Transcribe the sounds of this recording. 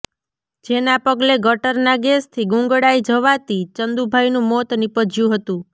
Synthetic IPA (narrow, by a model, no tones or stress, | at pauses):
d͡ʒenapəɡleɡəʈəɾnaɡest̪ʰiɡũŋɡəɽaid͡ʒəʋat̪it͡ʃənd̪ubʱajnũmot̪nipəd͡ʒjũɦət̪ũ